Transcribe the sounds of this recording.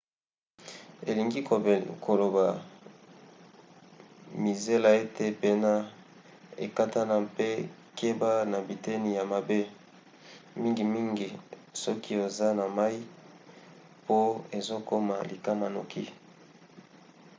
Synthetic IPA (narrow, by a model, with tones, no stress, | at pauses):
e˨li˨ŋɡi˦˨kʰo˨lo˨ba˨ | mi˨ze˦la˨e˦tʰe˨pe˦na˦ | ḛ˨ka˦ta˦na˨pe˦ | kʰe˦ba˦na˨bi˨te˦ni˨ja˨ma˨be˦ | mi˦ŋɡi˨mi˦ŋɡi˨sɔ˦kʰi˦e˨za˦na˨ma˦i˦ | po˦e˨zo˦ko˦ma̰˨li˨ka˦ma˨no̰˨kʰi˦